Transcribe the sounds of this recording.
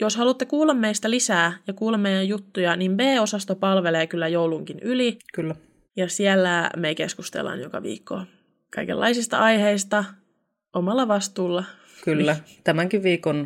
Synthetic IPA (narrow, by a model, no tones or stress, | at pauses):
joshɑlut̪ːekuːlːɑmːeist̪ælisæːjɑkuːlːɑmmejæjjut̪ːujɑnimbeːosɑst̪opɑlʋeleːkylːæjouluŋkinylikylːæ | jɑsiælːæmekeskust̪ḛlːɑ̰njokɑ̰ʋḭːkʰːo̰ | kɑ̰ikḛlːɑ̰isist̪ɑ̰ʔɑjheist̪ɑ | omɑlːɑʋɑst̪uːlːɑ | kylːæt̪æmæŋkiʋʋiːkon